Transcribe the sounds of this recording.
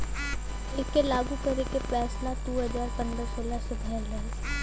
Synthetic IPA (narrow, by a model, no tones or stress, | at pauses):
ɪkelaːɡukɐɾekepɛːsnad̪uːɦəzaːɾpɐ̃nd̪ɾəsoːlasebʱɛːlɦɐ